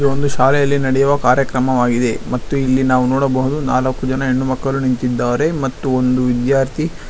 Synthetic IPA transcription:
uond̪uʃaːlɛjɐlːinɐɽɛjuʋɐkaːɾjɐkɾɐmɐʋaːɡid̪e̞mɐt̪ːuilːinaːʋunɔːɽɐbɐɦud̪unaːlɐkːud͡ʒɐnɐeɳːumɐkːɐlunint̪id̪ːaːɾe̞mɐt̪ːuond̪uʋid̪jaːɾt̪ʰi

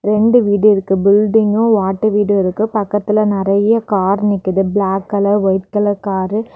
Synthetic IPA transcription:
ɾɛɳɖɯʋiːɽɪɾɯkːɯbɪlɖɪŋɡõʋaːʈːɯʋiːɽɯɪɾɯkːɯpɐkːɐt̪ːɪlɐnɪɾɐjɐkaːɾnɪkːɯðɯblaːkːɐlɐʋɔɪt̪kɐlɐkaːɾɯ

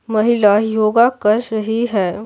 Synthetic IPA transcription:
mɐɦɪlajoːɡakɐɾːɐɦiɦɛː

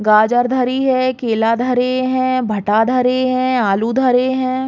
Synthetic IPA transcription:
ɡaːd͡ʒəɾd̪ʱɐɾiɦɛkeːlaːd̪ʱɐɾeɦɛ̃ːbʱɐʈad̪ʱɐɾeɦɛ̃aːlud̪ʱɐɾeɦɛ̃ː

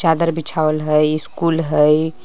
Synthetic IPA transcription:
t͡ʃad̪əɾbit͡ʃʰawəlɦəjɪskulɦəj

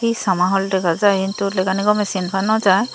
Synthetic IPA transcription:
isamaɦɔldɛkazajkintulɛɡaniɡɔmɛsinpʰanɔzaj

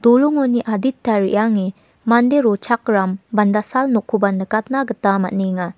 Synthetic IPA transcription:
d̥oluŋɔniʔaditːaɾḭʔjaŋi | mandeɾɔt͡ʃʰak̚ɾambandasalnokʰːubandɯkat̚naɡɐtama̰t̚neŋa

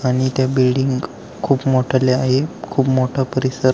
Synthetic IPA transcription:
aɽ̃it̪jabilɖiŋɡ | kʰuːpmoʈʰaleaɦekʰuːpmoʈʰapəɾisəɾ

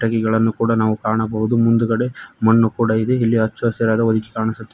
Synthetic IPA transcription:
ʈɐkɛɡɐɭɐnːukuːɽɐnaːʋukaːɳɐbɐɦud̪umund̪uɡɐɽemɐnːukuːɽɐid̪eilːiɐt͡ʃːɐɐsɐɾaːd̪ɐod̪iki̥kaːɳisut̪ːe

